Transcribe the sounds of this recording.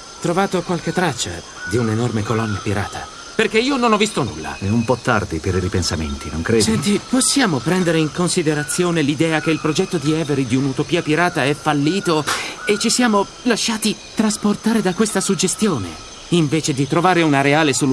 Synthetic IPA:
t̪ɾovaːt̪okwalk̟et̪ːɾat͡ʃːa̰ | d̪iunenormekolɔnːjapiɾa̰ːt̪ʰa̰ | perkeiːononɔvːist̪onṵlːa̰ɛumpɔt̪ːa̰rd̪ipeɾiɾipensamḛnt̪ino̰ŋkɾesɛnt̪iposːjaːmopɾɛnd̪eɾeiŋkonsid̪eɾat̪sːjoːnelid̪ɛːak̟eilpɾod͡ʒɛt̪ːod̪iɛveɾid̪iunut̪opiːapiɾaːt̪aɛfalːiːt̪oet͡ʃːisjaːmo | laʃːaːt̪i | t̪ɾasport̪aːɾed̪akːwest̪asud͡ʒest̪joːnḛ | iɱveːt͡ʃed̪it̪ɾovaːɾeunaɾeaːlesolu

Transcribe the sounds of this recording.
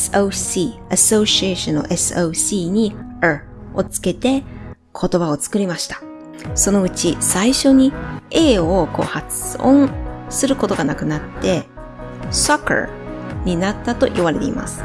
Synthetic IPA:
sɨ̥osiaso̞ːɕieɕõno̰ʔe̞sɨoːsiːɲ̟i | o̞t͡sɨ̥ke̞t̪e̞ | kʰo̞t̪o̞bao̞t͡sɨ̥kɯ̟ɾʲimaɕi̥t̪ḁ | so̞no̞ɯ̟t͡ɕisaiɕo̞ɲ̟ie̞ːo̞ko̞̰ːhat͡sɨõñsɨɾɯ̟ko̞t̪o̞ɡanakɯ̟nat̪ːe̞ | soka̰ | ɲ̟inat̪ːat̪o̞̰ʔiβaɾe̞t̪e̞̰ḭma̰sɨ̥

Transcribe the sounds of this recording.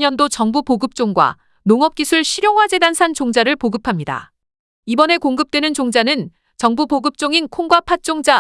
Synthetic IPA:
ɲʌndot͡ɕʌŋbupoɡɯp̚t͡ɕ͈oŋɡwa̰ | noŋʌp̚k͈isʰuɭɕʰiɾjoŋɦwad͡ʑe̞dansʰant͡ɕoŋd͡ʑaɾɯɭpoɡɯpʰamɲida̰ | ibʌne̞koŋɡɯp̚t͈we̞nɯnt͡ɕoŋd͡ʑanɯn | t͡ɕʌŋbuboɡɯp̚t͡ɕ͈oŋinkʰoŋɡwapʰat͡ɕ͈oŋd͡ʑa

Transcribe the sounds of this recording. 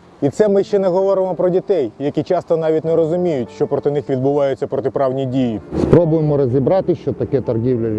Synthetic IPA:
it̪sɛmɪʃt͡ʃɛnɛɦɔʋɔɾɪmɔpɾɔdʲit̪ɛjjɐkʲit͡ʃɑst̪ɔnɑʋʲitʲnɛɾɔzʊmʲijʊtʲʃt͡ʃɔpɾɔt̪ɪnɪxʋʲid̪̚bʊʋɑjʊt͡sʲːɐpɾɔt̪ɪpɾɑwnʲijdʲijispɾɔbʊjemɔɾɔzʲibɾɑt̪ɪʃt͡ʃɔt̪ɐkɛt̪ɐrɦʲiwlʲɐ

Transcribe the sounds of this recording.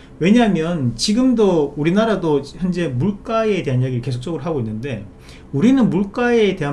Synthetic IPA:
we̞ɲaɦmjʌnt͡ɕiɡɯmdouɾinaɾadoçjʌnd͡ʑe̞muɭk͈aete̞ɦanjeɡiɾɯɭke̞sʰo̥k̚t͡ɕ͈ʌɡɯɾoɦaɡoinːɯnde̞̰ | uɾinɯnmuɭk͈aete̞a

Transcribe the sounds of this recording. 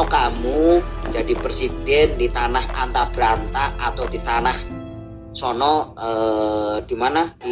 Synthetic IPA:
ɔkamu̥d͡ʒ̥ad̥iprsid̥ɛnd̪it̪anaha̰nt̪ab̥ɾant̪aat̪awd̪it̪anah | sɔnɔəd̪̥imanḁ

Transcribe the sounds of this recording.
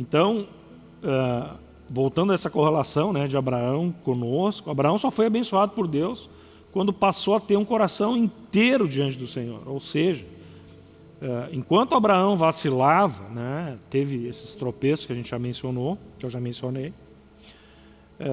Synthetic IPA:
ẽnt̪ɐ̃w̃ | ɛ | vowt̪ɐ̃nd̪ɐɛsɐkohelasɐ̃w̃nɛd͡ʒɪabɾaɐ̃w̃kõnoskʊabɾaɐ̃w̃sɔfojabẽsuad̪ʊpoɾd̪ews | kwɐ̃nd̪ʊpasowɐt̪eɾũkoɾasɐ̃w̃ĩnt̪eɾʊd͡ʒiɐ̃nt͡ʃɪd̪ʊsẽɲo̰ɾowseʒɐ | ɛẽkwɐ̃nt̪ʊabɾaɐ̃w̃vasilavɐnɛt̪evɪesɪ̥st̪ɾopesʊskɪɐʒẽnt͡ʃɪʒ̥amẽsionokɪewʒamẽsionej | ɛ

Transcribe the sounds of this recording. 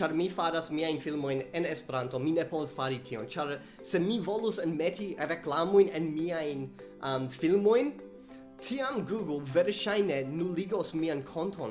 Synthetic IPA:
t͡ʃaɾmifaɾasmiajnfilmo̞jne̞nespeɾanto̞mine̞povasfaɾitʰio̞nt͡ʃaɾ | se̞mivo̞lusenmetiɾe̞klamojnenmiajn | amfilmo̞jn | tʰiamɡuɡlveɾʃajne̞nuliɡosmiankʰo̞ntʰon

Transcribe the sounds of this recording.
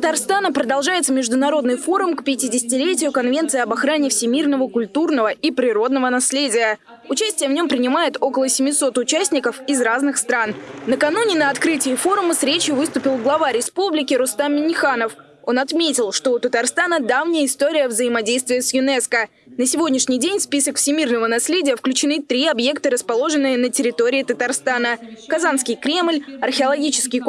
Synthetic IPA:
tə̥t̪arst̪anəpɾəd̪ɐlˠʐajɪt̪səmʲɪʐd̪ʊnɐɾo̞d̪nɨjfo̞ɾʊmkpʲɪtʲɪdʲɪsʲɪ̥tʲɪlʲetʲɪjʊkɐnvʲe̞nt̪sɨɪɐbɐxɾanʲɪfsʲɪmʲirnəvəkʊlʲt̪urnəvəipɾʲɪɾo̞d̪nəvənɐsʲlʲedʲɪjə | ʊt͡ɕæsʲtʲɪjəvnʲo̞mpɾʲɪnʲɪmajɪt̪o̞kəlˠəsʲɪmʲɪso̞t̪ʊt͡ɕæsʲnʲɪkəfɪzraznɨxst̪ɾannəkɐnunʲɪnəɐt̪kɾɨtʲɪːfo̞ɾʊməsɾʲet͡ɕjʊvɨst̪ʊpʲɪlˠɡlˠɐvaɾʲɪspublʲɪkʲɪɾʊst̪ammʲɪnʲɪxanəf | o̞nɐt̪mʲetʲɪlˠʂt̪o̞ʊt̪ət̪ɐrst̪anəd̪avnʲɪjəɪst̪o̞ɾʲɪjəvzəɪmɐdʲejst̪vʲɪjəsjʊnɛskə | nəsʲɪvʲo̞dʲnʲɪʂnʲɪjdʲenʲspʲisəkfsʲɪmʲirnəvənɐsʲlʲedʲɪjəfklʲʉt͡ɕɪnɨt̪ɾʲiɐbje̞kt̪əɾəspɐlˠo̞ʐɨnːɨjənətʲɪɾʲɪt̪o̞ɾʲɪːt̪ət̪ɐrst̪anəkɐzanskʲɪjkɾʲe̞mlʲɐrxʲɪɐlˠɐɡʲit͡ɕɪ̥skʲɪj

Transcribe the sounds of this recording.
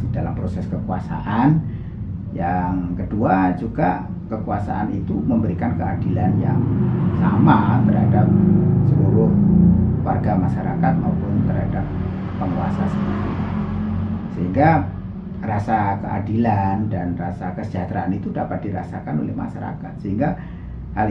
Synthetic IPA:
didalampɾosɛskəkuasa̰ʔan | jaŋkəduad͡ʒuɡa | kəkuasaʔanit̪uməmbəɾikankəadilanjaŋsamat̪ərɦadap̚səluɾʊhwa̰rɡamaʃaɾa̰kat̪̚maupʊnt̪ərɦadap̚ː | əŋua̰sasəniɾia | səɦiŋɡa | rasakəʔa̰dilandanrasakəsə̥d͡ʒat̪ɾaanit̪udapat̪̚diɾa̰sakano̰lɪhma̰ʃaɾa̰kat̪̚səɦiŋɡa | hal

